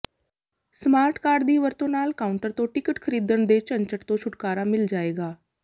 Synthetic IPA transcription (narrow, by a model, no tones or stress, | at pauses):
smaːɾʈkaːɖd̪iːʋəɾt̪õːnaːlkaːʊɳʈəɾt̪õːʈɪkəʈkʰəɾiːd̪əɳd̪eːt͡ʃənt͡ʃəʈt̪õːt͡ʃʰʊʈkaːɾaːmɪld͡ʒaːeːɡaː